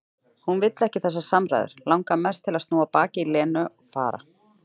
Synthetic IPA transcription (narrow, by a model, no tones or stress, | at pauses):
hunvɪt̪lɛhcɪθɛsːasamɾa̰jðɪ̰ɾ̥lawŋkamɛst̪ʰɪlast̪nuːapaːcɪilɛːnʏʔɔɣfa̰ːɾa̰